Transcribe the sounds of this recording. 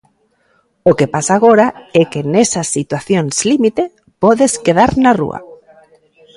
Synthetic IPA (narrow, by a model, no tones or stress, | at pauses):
okepasaːɣoɾaɛkenɛsɐsːit̪waθjonslimit̪ɪ | pɔðeskeðaɾnarṵɐ̰